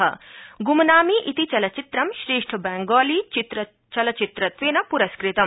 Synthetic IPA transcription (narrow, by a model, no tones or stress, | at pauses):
ɐ̰ɡumɐnaːmiʔit̪it͡ʃɐlɐt͡ʃit̪ɾɐmʃɾeːʂʈʰɐbɛːŋɡɔːliːt͡ʃit̪ɾɐ | t͡ʃɐlɐt͡ʃit̪ɾɐt̪ʋeːnɐpuɾɐskɾit̪ɐ